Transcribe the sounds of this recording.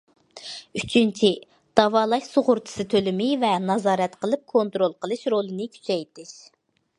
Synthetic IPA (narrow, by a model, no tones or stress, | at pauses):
yt͡ʃʰynt͡ʃʰi | d̪̥ɑvɑːlˠɑʃsoʁʊɾt͡ʃʰɨ̥sɨt̪ʰølɪmɪvɛnɑzɑːɾɛt̪qʰəlˠɨp̚kʰont̪ɾolˠqʰəlˠɨʃɾolˠɨnɨkʲʰy̥t͡ʃʰɛjt̪ɪʃ